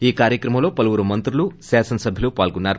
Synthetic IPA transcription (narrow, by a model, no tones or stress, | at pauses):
iːkaːɾjɐkɾɐmɐmlo̞ːpɐlɐʋuɾumɐnt̪ɾulusaːsɐnɐsɐbʱilupaːlkunːaːɾu